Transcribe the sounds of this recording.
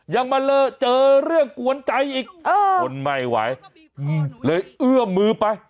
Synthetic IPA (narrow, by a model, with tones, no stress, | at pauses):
ja˧ŋma˧lɤː˧jt͡ɕɤː˧ɾɯ˥˩əŋku˧ənt͡ɕa˧jʔiː˨˩k̚ʔəː˧˩o˧nma˧˩jwa̰˩˦j | lɤː˧jʔɯ˥˩əmɯː˧pa˧j